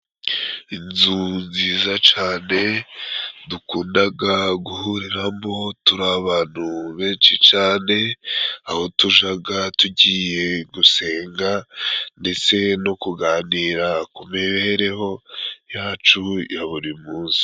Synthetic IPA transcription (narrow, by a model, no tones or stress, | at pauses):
inzunziːzat͡ʃaːne̞ | dukuːndaɡaɡuhuɾiɾambo̞tuɾaβaːn̥huβe̞ːnʃit͡ʃaːne̞aho̞tuʒaɡatuɟiːje̞ɡuse̞ːŋɡande̞t͡se̞no̞kuɡaːniːɾakumeβeɾe̞ho̞jaːt͡ʃujaβuɾimuːnsi̥